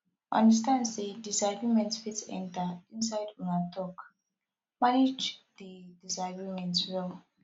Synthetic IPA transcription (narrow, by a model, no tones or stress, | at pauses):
ʔã̰ndas̬tãndsedisaɡɹimɛ̃ntfitɛ̰̃ntaĩnsaɪdunatʰɔk | maned͡ʒðidisaɡɹimɛ̃ntwɛl